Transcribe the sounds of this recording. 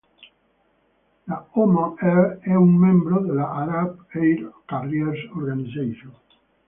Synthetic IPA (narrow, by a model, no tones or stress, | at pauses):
laomaɛɛuŋmẽmbɾoðelaʔaɾabejɾkarjeɾsoɾɣanisejʃõn